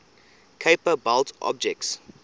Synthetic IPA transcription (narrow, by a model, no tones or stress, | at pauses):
kʰepəbaltʔɔ̰b̚d͡ʒɛk̚ts